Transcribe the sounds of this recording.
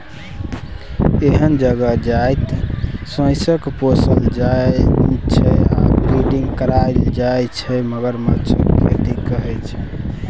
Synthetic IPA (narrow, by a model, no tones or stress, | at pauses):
eɦənd͡ʒəɡəd͡ʒajt̪sə̃jsəkposəld͡ʒa | t͡ʃʰɛa̰pɾiɖiŋɡkəɾaeld͡ʒajt͡ʃʰɛməɡəɾmət͡ʃʰkʰḛt̪ikəɦɛt͡ʃʰɛ